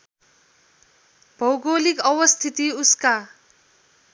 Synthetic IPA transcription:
b̥ʱʌwɡolikʌwʌst̪ʰit̪iuska

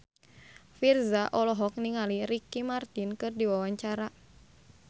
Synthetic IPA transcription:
firzaʔɔlɔɦɔk̚niŋaliɾikimart̪inkɨrdiwawaɲt͡ʃaɾa

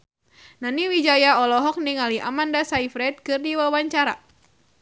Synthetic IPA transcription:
naniwid͡ʒajaɔlɔɦɔk̚niŋaliʔamandasaifɾɛt̪̚kɨrdiwawaɲt͡ʃaɾa̰

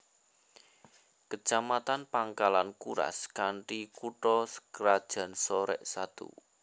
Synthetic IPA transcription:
kə̥t͡ʃamat̪anpaŋkalankuɾa̰skaɳʈikuʈɔskəɾad̥ʒ̥ä̤nsɔɾɛ̰ʔsat̪ṵ

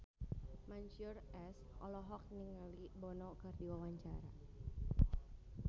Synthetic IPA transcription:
maɲt͡ʃurɛs | ʔɔlɔɦɔk̚niŋalibɔnɔkɨrdiwawaɲt͡ʃaɾa

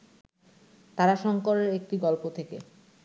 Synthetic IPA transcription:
t̪aɾaʃɔŋkoɾeɾek̚ʈiɡɔlpot̪ʰekḛ

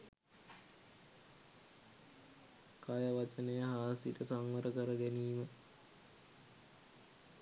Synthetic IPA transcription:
kajəʋat͡ʃənəjəɦaːsitəsaŋʋəɾəkəɾəɡeniːmə

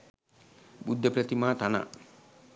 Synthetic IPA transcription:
bud̪ʱːɐpɾɐt̪imaːt̪ana̰

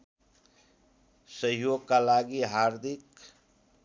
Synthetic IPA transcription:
səɦjoɡ̚kalaɡiɦaɾd̪ʱik

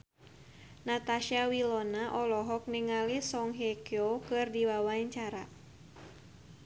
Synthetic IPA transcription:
nat̪aʃiawilɔnaʔɔlɔɦɔk̚niŋalisɔŋɦekeokɨrdiwawaiɲt͡ʃaɾa

